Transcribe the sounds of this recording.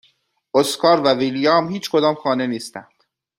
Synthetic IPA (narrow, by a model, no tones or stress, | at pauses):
ʔoskʰɒːɾvæviljɒːmhiːt͡ʃʰkʰo̞d̪ɒːmxɒːne̞niːst̪ænd̪̥